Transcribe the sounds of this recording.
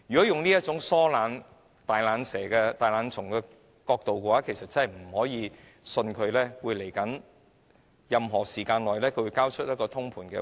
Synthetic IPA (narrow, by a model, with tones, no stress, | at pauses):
jyː˨˩kɔ˨˦˥jʊ˨ŋniː˥jɐ˥t̚t͡sʊ˨˥ŋsɔː˥laː˨˥n | t̪aː˨jlaː˨˧˥nsɛː˨˩kɛː˧t̪aː˨˩jlaː˨˧nt͡sʰʊ˨˩ŋkɛː˧ | kɔː˧k̚t̪o˨wkɛ˧waː˨˥kʰe˨˩jsɐ˨t̚t͡sɐ˥ɦɐ˨˩m̩˨˩hɔː˨˥jiː˧ | sɵ˧nkʰɵ˨˧ɥlɛː˥wuː˨˧jle˨˩jkɐ˨˥n | jɐ˨mɦɔː˨˩siː˨˩kaː˧nlɔː˨jlɛː˥kʰɵ˧wu˧jkaː˥wt͡ʃʰɵ˥t̚jɐ˥kɔː˧t̪ʰʊ˥ŋpʰuː˨˩nkɛ̰ː˧